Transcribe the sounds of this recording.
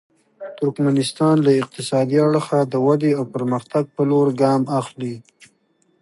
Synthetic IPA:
t̪ʊɾkmanɪst̪ɑnlaɪq̚t̪ɪsɑd̪iaɽxad̪əwad̪eawpəɾməxt̪aɡ̚pəloɾɡɑmaxli

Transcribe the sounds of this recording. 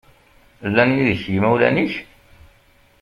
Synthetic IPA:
lːæniðçjimæwlæ̰niç

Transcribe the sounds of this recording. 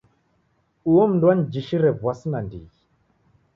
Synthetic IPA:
uwomndwand͡ʒiʃiɾevwasinandḭ

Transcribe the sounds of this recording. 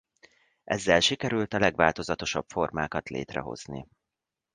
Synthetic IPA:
ʔɛzːɛlʃikɛɾylt̪ɒlɛɡʋaːlt̪o̞zɒt̪o̞ʃɒbfo̞rmaːkɒt̪lḛːt̪rɛ̰ɦo̞̰z̥nḭ

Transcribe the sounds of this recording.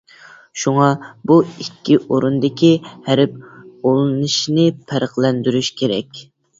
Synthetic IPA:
ʃuŋɑbuikʲːiʔoɾund̪ɪkʲihæɾɪp̚olˠɨnɨʃnɪpʰæɾəχlˠɛnd̪yɾyʃkʲʰeɾɛ̰kʲ

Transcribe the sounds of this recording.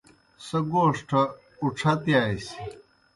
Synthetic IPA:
sɐɡoːʂʈʰɐ | uʈ͡ʂʰɐt̪jaːjsi

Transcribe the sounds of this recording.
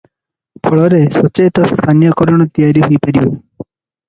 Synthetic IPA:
pʰɔɭɔɾesɔt͡ʃet̪ɔst̪ʰanijɔkɔɾɔɳ̃ɔt̪ijaɾiɦojpaɾibɔ

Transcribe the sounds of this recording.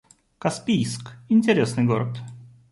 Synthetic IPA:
kɐspʲijskɪnʲtʲɪɾʲesnɨjɡoɾət̪

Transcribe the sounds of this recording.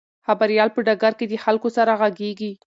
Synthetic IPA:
xabaɾjɑlpəɖaɡaɾked̪əxalkosaɾaɣaɡeɡi

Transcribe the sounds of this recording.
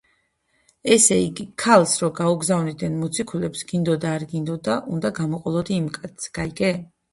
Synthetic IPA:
ɛsɛiɡikʰalˠsɾɔɡauɡzavnid̪ɛnmɔt̪sʰikʰulɛpsɡ̥ind̪ɔd̪aːɾɡind̪ɔd̪aʔund̪aɡamɔqʼɔlˠɔd̪iːmkʼat̪sɡ̥aiɡɛ

